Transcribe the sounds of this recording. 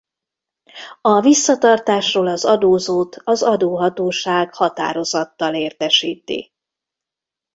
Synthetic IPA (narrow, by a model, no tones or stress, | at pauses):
ɒvisːɒt̪ɒrt̪aːʃroːlɒzɒd̪oːzoːt̪ʰɒzɒd̪oːɦɒt̪oːʃaːɡhɒt̪a̰ːɾo̞zɒt̪ːɒleːrt̪ɛʃiːt̪ḭ